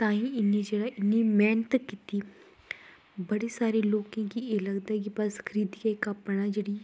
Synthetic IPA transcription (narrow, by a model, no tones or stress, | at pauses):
t̪ãːĩːɪniːd͡ʒeːɽaːʔɪnːiːmɛːnət̪kit̪iː | bəɽiːsaːɾeːloːkãːkieːləɡd̪aːɛk̬ɪbəskʰəɾiːd̪ikaːɪkaːpɽaːd͡ʒeːɽiː